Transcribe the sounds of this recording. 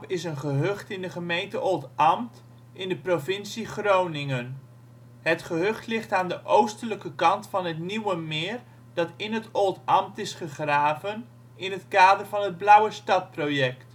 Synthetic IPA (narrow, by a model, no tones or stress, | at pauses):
pɪsənχəɦøχtɪndəχəmejntəʔolˠtɑmt | ɪndəprovɪnsiχrownɪŋən | ɦətχəɦɵχtlɪχtaːndəʔowstələkəkɑntfɑnɦətniwəmɪːr | dɑtɪnɦətolˠtɑmtɪsχəχraːvən | ɪnɦətkaːdərvɑnɦəd̚blʌwəstɑt̚prowjɛkt